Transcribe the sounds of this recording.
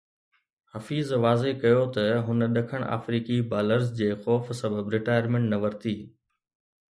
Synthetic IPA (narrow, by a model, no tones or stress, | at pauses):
hɐfiːzʋaːzekɐjot̪ɐɦʊnəɗɐkʰəɽ̃ʔa̰ːfɾiːkibaːləɾzd͡ʑeːxɔːfsɐbəbɾɪʈaːjəɾmẽɳʈnɐʋɐɾt̪iː